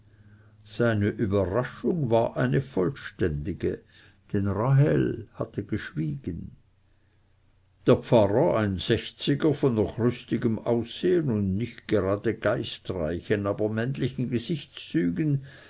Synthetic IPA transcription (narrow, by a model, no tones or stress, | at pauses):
z̥aɪnəʔybɐʁaʃʊŋvaːʔaɪnəfɔlʃtɛndɪɡ̥ə̰ | d̥enʁaɦɛlhatʰəɡ̥əʃv̥iːɡ̥ən | d̥eːɐpp͡faʁəaɪnz̥ɛçt͡sɪɡəfɔnːɔχʁʏstɪɡəmaʊseːənʊndnɪçt̚ɡ̥eʁaːdəɡ̥aɪstʁa̰ɪçənaːbɐmɛntlɪçn̩ɡəzɪçt͡st͡syːɡn